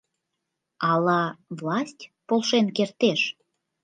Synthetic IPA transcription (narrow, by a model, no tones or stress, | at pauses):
ɑlɑvlɑsʲtʲpolˠʃenkert̪eʃ